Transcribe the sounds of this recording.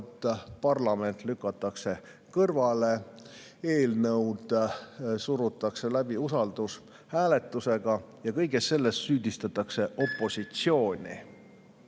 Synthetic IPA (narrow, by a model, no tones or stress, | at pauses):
t̪ːˑpɑrlɑme̞nt̪ˑlykːˑɑt̪ˑːɑkse̞ | kɤrvɑle̞ | e̞ːlnɤwd̪̥suɾut̪ːˑɑkse̞læb̥iusɑld̪̥us | hæːle̞t̪ːˑuse̞ɡ̥ɑjɑkɤjɡesːe̞lːe̞ssyːd̪̥ist̪ɑt̪ːˑɑkse̞ʔo̞pːˑo̞sit̪sio̞ːnʲḭ